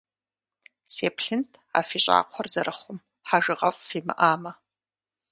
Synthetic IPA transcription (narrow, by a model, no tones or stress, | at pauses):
sepʰɬɪntʰʼ | a̰fit͡ʃʷʼa̰qʷʰarzaɾʔaχʷʊm | ħaʒɨʁafʼfima̰ʔama